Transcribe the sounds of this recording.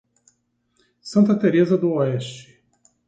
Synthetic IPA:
sɐ̃nt̪ɐt̪eɾezɐd̪ʊoɛʃt͡ʃɪ̥

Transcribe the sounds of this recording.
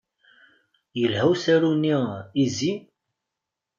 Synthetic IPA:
jəlhæwsæɾuniizi

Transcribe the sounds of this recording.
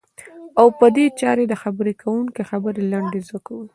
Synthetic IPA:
awpəd̪et͡ʃɑɾed̪əxabəɾekʰawuŋkexabəɾelaɳɖezakawə

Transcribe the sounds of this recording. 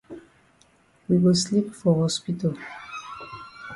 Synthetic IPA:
wiwəslipfɔhɔspitəl

